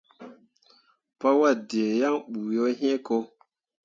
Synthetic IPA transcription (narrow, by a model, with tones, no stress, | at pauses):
pa˦wa˦˨de˨ja˦ŋɓuː˨jo˦ɦẽ˦ko˦